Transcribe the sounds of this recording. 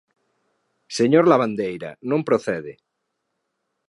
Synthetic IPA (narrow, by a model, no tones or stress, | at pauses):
seɲoɾlaβand̪ejɾa̰nõmpɾoθeðe